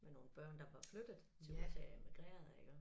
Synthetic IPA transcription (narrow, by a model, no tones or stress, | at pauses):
meno̝ːn̩b̥ɶɐ̰nd̥ɑ̈ʋɑ̈flød̥ð̩ˠt͡sʰe̝usʰeemiɡ̥ʁḛːɐð̩ˠe̝ɡ̥ə